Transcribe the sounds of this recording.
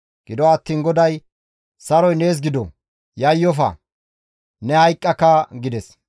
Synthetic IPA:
ɡ̥ɪd̪ɔːt̪ːiːnɡɔd̪ɐj | sɐɾɔjne̞ːs̬ɡɪd̪ɔ | jɐjːɔfɐ̰ | nɛhɐjkʼːɐkːɐɡɪd̪ɛs

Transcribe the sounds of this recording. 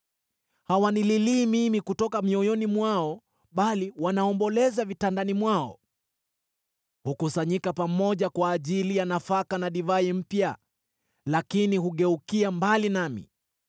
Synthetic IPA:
hawanililiːmimikutɔkamiɔjɔnimwaɔ | ɓaliwanaɔmbɔlɛzavitandanimwaɔ̰ | hukusaɲikapamɔʄakwaːʄilijanafakanaɗivaim̩pja | lakinihuɠɛukiambalinamḭ

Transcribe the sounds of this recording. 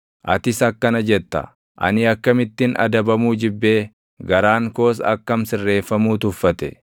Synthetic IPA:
ʔɐt̪ɪsɐkːɐnɐd͡ʒɛt̪ːɐ̰ | ʔɐ̰nɪɐkːɐmɪt̪ːɪnɐ̰d̪ɐbɐmuːd͡ʒɪbːe̞ː | ɡɐɾaːŋko̞ːs̬ɐ̰kːɐmsɪrːe̞ːfːɐmuːt̪ʊfːɐt̪ɛ̰

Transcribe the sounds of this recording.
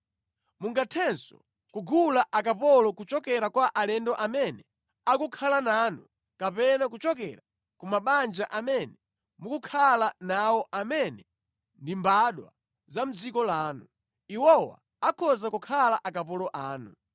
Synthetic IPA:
muŋɡatʰɛnsɔ̰ | kuɡulaʔakapɔlɔkut͡ʃɔkɛɾakwaʔalɛndɔʔamɛnɛ | akukʰalanaːnu | kapɛnak̬ut͡ʃɔkɛɾa | kumaɓand͡ʒaʔamɛnɛ | mukukʰalanawɔʔamɛnɛ | ndimbaɗwa̰ | zam̩d͡zikɔlaːnu | iwɔwa̰ | akʰɔzakukʰalaʔakapɔlɔʔaːnṵ

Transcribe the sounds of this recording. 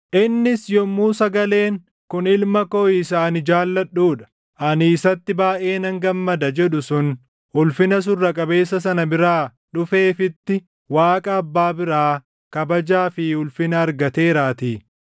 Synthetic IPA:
ʔɪnːɪsjɔmːuːsɐɡɐle̞ːŋ | kʊnɪlmɐkoːɪsaːnɪd͡ʒaːlːɐɗːuːᶑɐ̥ | ʔɐniːsɐt̪ːɪbaːʔe̞ːnɐŋɡɐmːɐd̪ɐd͡ʒɛɗʊsʊn | ʊlfɪnɐs̬ʊrːɐkʼɐbe̞ːsːɐs̬ɐnɐbɪɾaː | ɗʊfe̞ːfɪt̪ːɪ | waːkʼɐːbːaːbɪɾaː | kɐbɐd͡ʒaːfɪʊlfɪnɐːɾɡɐt̪e̞ːɾaːt̪iː

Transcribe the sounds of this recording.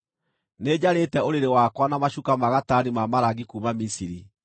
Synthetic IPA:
ned͡ʑaɾetɛoɾeɾewakwanamaɕukamaɣatanimamaɾaɣikuːmamisiɾi

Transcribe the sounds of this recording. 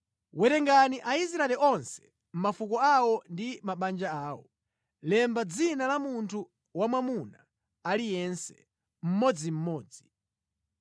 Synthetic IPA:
wɛɾɛŋɡaniʔais̬ɾaɛliɔnsɛ̥ | m̩mafukɔawɔndimaɓand͡ʒaaːwɔ | lɛmbad͡zinalamuntʰu | wamwamuna | alijɛnsɛ̥ | m̩mɔd͡zim̩mɔːd͡zi̥

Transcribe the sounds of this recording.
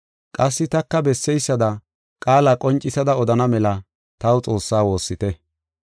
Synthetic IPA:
kʼɐs̬ːɪt̪ɐkːɐbɛsːɛjsːɐd̪ɐ | kʼaːlaːkʼɔnt͡ʃʼːɪsɐd̪ɐɔd̪ɐnɐmɛlɐ | t̪ɐwʊt͡sʼo̞ːsːaːwo̞ːsːɪt̪ɛ

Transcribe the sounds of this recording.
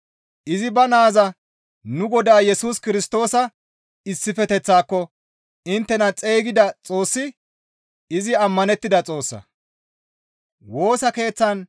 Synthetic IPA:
ʔɪzɪbɐnaːzɐ | nʊɡɔd̪aːjɛsuːskɪɾɪst̪o̞ːsɐ | ɪsːɪfɛt̪ɛt͡sːaːkːɔ | ɪnt̪ːɛnɐt͡sʼejːɡɪd̪ɐt͡sʼo̞ːsːɪ | ɪzɪɐmːɐnɛt̪ːɪd̪ɐt͡sʼo̞ːsːɐ̰ | wo̞ːsɐke̞ːt͡sːɐn

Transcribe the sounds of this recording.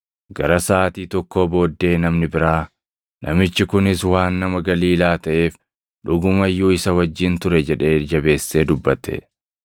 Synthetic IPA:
ɡɐɾɐsaːt̪iːt̪ɔkːo̞ːbo̞ːd̪ːe̞ːnɐmnɪbɪɾaː | nʔɐ̰mɪt͡ʃːɪkʊnɪswaːnːɐmɐɡɐliːlaːt̪ɐʔe̞ːf | ᶑʊɡʊmɐjːuːɪsɐwɐd͡ʒːɪnt̪ʊɾɛd͡ʒɛᶑe̞ːd͡ʒɐbe̞ːsːe̞ːd̪ʊbːɐt̪ɛ̰

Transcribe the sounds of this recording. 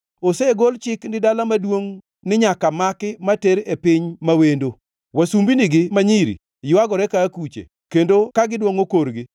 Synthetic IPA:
oseɡolt͡ʃɪknɪdalamadwoŋ | nɪɲakamakɪmateɾepɪɲmawendo | wasumbinɪɡɪmaɲiɾḭ | jʊwaɡɔɾɛkaːkut͡ʃḛ | kendokaɡɪdwoŋokoɾɡɪ

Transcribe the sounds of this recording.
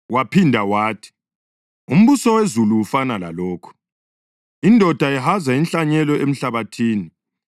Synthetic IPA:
wapʰindʱawaːtʰi̥ | um̩βusɔwezuluwufanala̰lɔːkʰu̥ | indʱɔd̥ʱaɛɦazainɬaɲɛlɔʔem̩ɬaβatʰiːni

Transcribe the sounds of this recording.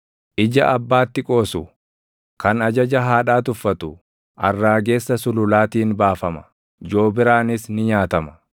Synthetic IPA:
ʔɪd͡ʒɐ̰ʔɐbːaːt̪ːɪkʼo̞ːsʊ | kɐnɐd͡ʒɐd͡ʒɐɦaːᶑaːt̪ʊfːɐt̪ʊ | ʔɐ̰rːaːɡe̞ːsːɐsʊlʊlaːt̪iːnbaːfɐmɐ̥ | d͡ʒo̞ːbɪɾaːnɪsnɪɲaːt̪ɐmɐ̥

